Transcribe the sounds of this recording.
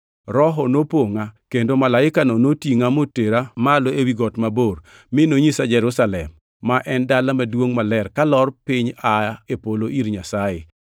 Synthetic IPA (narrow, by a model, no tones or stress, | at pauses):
ɾɔɦɔnopoŋakendomalaɪkanonotiŋamoteɾamaloewiɡɔtmaboɾ | mɪnoɲisad͡ʒɛɾusalɛmː | aʔɛndalamadwoŋmalɛrkalɔrpɪɲaepoloʔiɾɲasaɪ̰